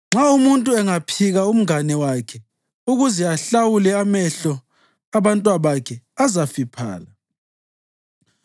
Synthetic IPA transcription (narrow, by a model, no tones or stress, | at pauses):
ŋ͡ǁaumuntʼuɛŋapʰiɣaum̩ŋanɛwakʰɛ | uɣuzɛaɬawulɛamɛɬɔ | aβantʼwaβakʰɛazafipʰa̰ːla